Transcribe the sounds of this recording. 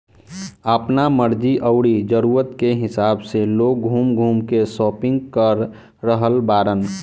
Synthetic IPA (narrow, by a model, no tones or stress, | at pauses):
əpnaməɾd͡ʒiʔəʊɽid͡ʒəɾuːɾət̪keɦɪsaːbseloːk̚ɡʱuːmɡʱuːmkesɔːpɪ̃ŋɡkəɾ | ɾəɦəlbaːɾən